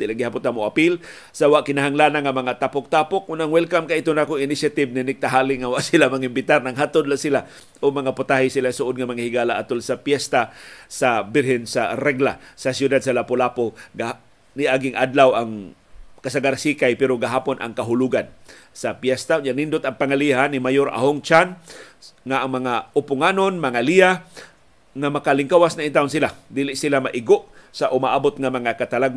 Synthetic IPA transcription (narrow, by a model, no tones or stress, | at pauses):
t̪ɪlaŋɡɪhapʊt̪amoʔapil | sawaʔkɪnaɦaŋlaːnaŋamɐŋat̪apʊk̚t̪apʊk̚ːʊnaŋwɛlkamkaʔit̪ʊnakʊŋɪnɪsjat̪ɪbnɪnɪk̚t̪aɦaːlɪŋawaʔsilamaŋɪmbɪt̪aɾnaŋɦat̪ʊd̪lasila | ʔomaŋapʊt̪ahɪsilasʊʔod̪ŋamaŋahɪɡaːlaʔat̪ʊlsapjɛst̪asabɪɾhɛnsaɾɛɡlasasjʊd̪ad̪̚salapʊlapoɡa | nɪʔaɡɪŋʔad̪lawaŋ | kasaɡaɾsikajpɛɾoɡaɦaːponʔa̰ŋkaɦʊluɡansapjɛst̪aɲanind̪ʊt̪aŋpaŋaliɦanimajoɾʔa̰ɦoŋt͡ʃan | ŋaʔːŋmɐŋaʊpʊŋanonmaŋalia | ŋamakalɪŋkawasnaint̪aʊnsilad̪iːlɪʔsɪlamaʔɪɡoʔsaʔʊmaʔaːbʊt̪̚ŋamaŋakat̪alaɡ̚